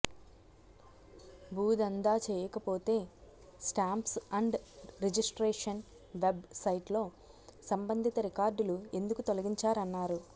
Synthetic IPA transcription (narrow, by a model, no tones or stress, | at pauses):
bʱuːd̪ɐnd̪aːt͡ʃɛːjɐkɐpo̞ːt̪e̞ː | sʈaːmpsɐɳɖɾed͡ʒisʈɾeːʂɐn | ʋebsɐjʈlo̞ː | sɐmbɐnd̪ʱit̪ɐɾikaːɾɖulue̞nd̪ukut̪olɐɡiɲt͡ʃaːɾɐnːaːɾu